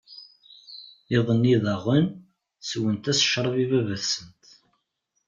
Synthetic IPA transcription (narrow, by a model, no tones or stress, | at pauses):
ɪðˤənːiðɑʁən | swənt̪æsʃɾˤəvivævəθsənt̪